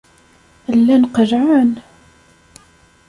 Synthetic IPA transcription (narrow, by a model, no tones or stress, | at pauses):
əlːænqəɾʕən